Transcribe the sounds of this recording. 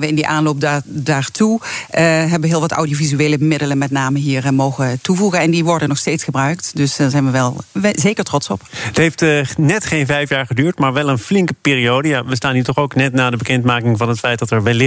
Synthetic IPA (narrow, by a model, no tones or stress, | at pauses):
ʋəɪndiʔaːnlowp̚dadaːɹtu | ɦɛbəɦɪːlˠʋɑta̰wdiovizyeːləmɪdələnmɛtnaːməɦiːɹmowɣətuvuɣənɛndiʋɔɹdənɔxsteːtsχəbrœɥktdɵsəːzɛjnʋəʋɛlˠzejkəɹtrɔtsɔpətɦejftnɛtχejnvɛjfjaːɹχədyːɹtmaːɹʋɛlˠənflɪŋkəpɪːriowdəjaʋəstaːnɦiːtɔχowknɛtnaːdəbəkɛntmaːkɪŋvɑnɦətfɛjtdɑtɛɹʋɛl